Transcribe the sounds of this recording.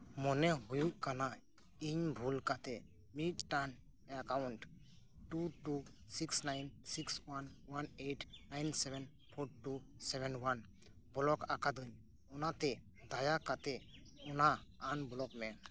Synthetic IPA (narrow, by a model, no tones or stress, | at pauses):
mɔnɛɦujukana | iɲbʱulkat̪ɛ | miʈʈan | akawʊɳʈ | ʈuʈusiksnajnsikswanwaneʈʰnajnsɛbɛn | pʰoɾʈusɛbʱɛnwan | bɔlɔkakad̪ɯɲ | ɔnat̪ɛ | d̪ajakat̪ɛ | ɔnaːnbɔlɔkmɛ